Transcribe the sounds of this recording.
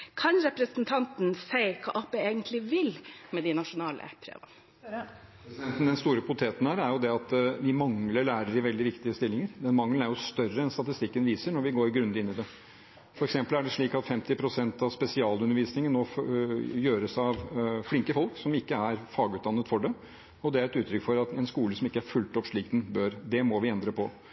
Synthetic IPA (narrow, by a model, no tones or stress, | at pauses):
kʰɑnɾɛpɾəsnt̪ʰɑnt̪n̩sæɪkʰɑ̰ːʔɑpeeːɡənt̪ʰlɪʋɪlmɛd̪ɪnɑʂʊnɑːlə̰pʰɾḛːʋɑ̰n | ɛnt̪n̩d̪ɛnst̪uːɾəpʊt̪ʰeːt̪ən̩hæːɾæɾjʊd̪ɛɑt̪ʋɪmɑŋləɭæːɾəɾɪʋɛld̪ɪʋɪkt̪ɪəst̪ɪlːɪŋəɾd̪ɛnmɑŋlən̩æɾjʊst̪œrəɛnst̪ɑt̪ɪst̪ɪkːənʋiːsəɳɔɾʋɪɡoːɾɡɾʉnd̪əɪnːɪd̪ɛ | fɔɾɛksɛmpəlæɖɛʂɭiːkɑt̪fɛmt̪ɪpʰɾʊsɛnt̪ɑʋspɛsɪɑːlʉnəɾʋiːsnɪŋənːɔ | jøːɾəsɑʋflɪŋkəfɔlksɔmɪkːəæɾfɑːɡʉːt̪d̪ɑnːət̪fɔɖɛ | ɔd̪ɛæɾɛt̪ʉːt̪ʰːɾʏkfɔɾɑt̪ɛnskuːləsɔmɪkːəæɾfʉlt̪ɔpːʂɭiːkd̪ɛnbøɾd̪ɛmɔʋɪɛnd̪ɾəpʰɔ